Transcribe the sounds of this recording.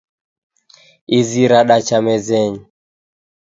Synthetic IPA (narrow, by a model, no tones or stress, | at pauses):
iziɾaɗat͡ʃamɛzɛɲi